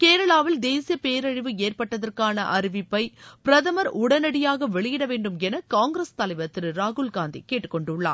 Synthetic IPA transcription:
keːɾɐɭaːʋɪld̪eːsɪjɐpeːɾɐɻɪʋɯeːrpɐʈːɐðɐrkaːnɐ̰ʔɐɾɪʋɪpːɐɪpɪɾɐðɐmɐɾʊɽɐnɐɽɪjaːɣɐʋɛɭɪjɪɽɐʋeːɳɖɯmɛnɐkːaːŋɡɾeːst̪ɐlɐɪʋɐt̪ːɪɾɯɾaːɣʊɭɡaːnd̪ḭkeːʈːɯ̥kːɔɳɖʊɭːa̰ːɾ

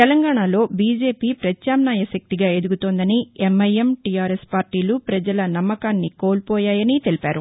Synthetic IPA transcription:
t̪ɛlɐŋɡaːɳalo̞ːbiːd͡ʒe̞ːpiːpɾɐtjaːmnaːjɐʃɐk̚t̪iɡaːe̞d̪uɡut̪oːnd̪ɐniemɐjemʈijaːɾespaːɾʈiːlupɾɐd͡ʒɐlɐnɐmːɐkaːnːiko̞ːlpɔːjaːjɐnit̪e̞lipaːɾu

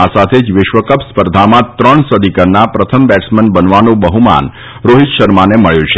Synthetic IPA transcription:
asat̪ʰed͡ʒʋɪʃʋəkəpspəɾd̪ʱamãt̪ɾəɳsəd̪ʱikəɾnapɾət̪ʰəmbɛʈsmənbənʋanũbəɦuma̰n | ɾoɦit̪ʃəɾmaneməɭjũt͡ʃʰe

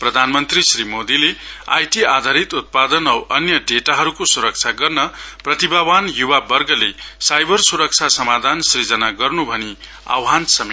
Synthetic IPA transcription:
prʌd̪ʱanmʌnt̪risrimod̪ilea̰jʈiad̪ʱaɾit̪ut̪̚pad̪ʌnʌwʔʌnjʌɖeʈaɦʌɾukosuɾʌk̚t͡ʃʰaɡʌrnʌprʌt̪ibawanjuwabʌrɡʌlesajbʱʌrsuɾʌk̚t͡sʰasʌmad̪ʱansid͡zʌnaɡʌrnubʱʌni | a̰wɦansʌmi

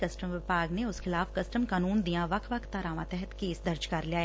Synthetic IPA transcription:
kɐsʈəmʋɪpaːɡneʊsxɪlaːfkɐsʈəmkaːnuːnd̪ijãʋɐkʰʋɐkʰt̪aːɾaːʋãt̪ɛɦət̪keːsd̪ɐɾd͡ʒkɐɾliaːe

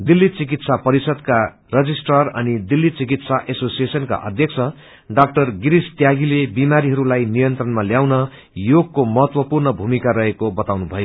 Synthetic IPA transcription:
d̪ilːit͡sik̬it̪sapʌɾisʌd̪̚ka | rʌd͡zisʈʌrʌnid̪ilːit͡sikit̪saʔesosiesʌnka̰ʔʌ̰d̪ʱjʌk̚sʰʌ | ɖak̚ʈʌrɡiɾist̪jaɡilebimaɾiɦʌɾulajnijʌnt̪ɾrʌnmaljawnʌ | joɡ̚komʌɦʌt̪wʌpurnʌbʱumikaɾʌɦekobʌt̪awnubʱʌjo

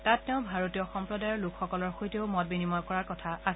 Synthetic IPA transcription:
tatːɛʊ̃bʱaɹotijɔxɔmpɹɔdajɔɹlukʰxɔkɔlɔɹxojteʊmɔt̚binimɔjkɔɹaɹkɔtʰaas

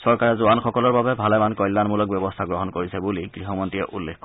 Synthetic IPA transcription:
sɔɹkaɹɛzʊanxɔkɔlɔɹbabɛbʱalɛmankɔjlːanmulɔk̚bɛbɔstʰaɡɹɔɦɔnkoɹisɛbuliɡɹiɦɔmɔntiɛʔulːekk

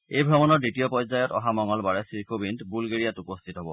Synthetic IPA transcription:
ejbʱɹɔmɔnɔɹditijɔpɔjzajɔtɔ̰ɦamɔŋɔlbaɹɛsiɹkʰobintbulɡeɹijatupostʰitɦɔbɔ

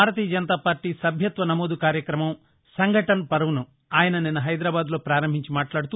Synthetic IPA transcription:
aːɾɐt̪iːjɐd͡ʒɐnɐt̪aːpaːɾʈːiːsɐbʱjɐt̪ʋɐnɐmoːd̪ukaːɾjɐkɾɐmɐm | sɐŋɡʱɐʈɐnɐpɐɾɐʋunu | aːjɐnɐninːɐɦɐjd̪ɾaːbaːd̪lo̞ːpɾaːɾɐmbʱiɲt͡ʃimaːʈlaːɽut̪u

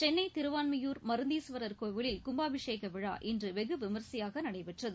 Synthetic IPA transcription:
t͡ʃɛnːɐɪt̪ɪɾɯʋaːnmɐjuːɾmɐɾɯnd̪iːsʋɐɾɐɾkoːʋɪɭɪlkʊmbaːʋɪʂeːkɐʋɪɻa̰ːʔɪndrɯʋɛɣɯʋɪmɐɾsɐjaːɣɐnɐɽɐɪpɪʈrɐðɯ

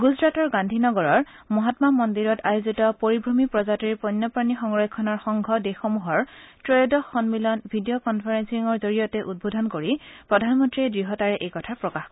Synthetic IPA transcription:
ɡuzɹatɔɹɡandʱinɔɡɔɹɔɹ | mɔɦatmamɔndiɹɔtʰajozitɔpoɹibʱɹomipɹɔzatɔipɔnːɔpɹanixɔŋɹɔjkʰːɔnɔɹxɔŋɡʱɔdexɔmuɦɔɹtɹɔjdɔxɔnmilɔnbʱidijokɔnpʰaɹensiŋɔɹzoɹijɔtɛʔud̚bʱodʱɔnkoɹipɹɔdʱanmɔntɹidɹiɦɔtaɹɛʔejkɔtʰapɹɔkax

